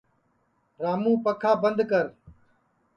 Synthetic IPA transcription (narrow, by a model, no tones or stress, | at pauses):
ɾaːmũːpəkʰaːbənd̪kəɾ